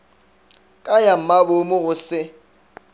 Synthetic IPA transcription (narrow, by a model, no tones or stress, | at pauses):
kʼajam̩mabʊmʊɣʊsɪ